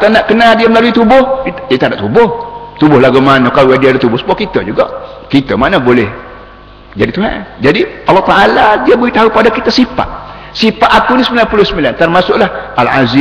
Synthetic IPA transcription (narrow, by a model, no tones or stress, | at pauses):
t̪anaʔkənadiaməlaluit̪ubʊhaʔit̪adaʔt̪ubʊht̪ubʊhlaɡumanəkalojadiadat̪ubʊsəmuakit̪əd͡ʒuɡa̰ʔ | kit̪əmanəbolɛh | d͡ʒadit̪uɦa̰nd͡ʒadiɑlːɑht̪aʔaladiabolit̪aɦupadakit̪asipa̰ʔ | sipaʔat̪̚unisəmilanpulʊhsəmilant̪ərmasʊʔlahala̰zi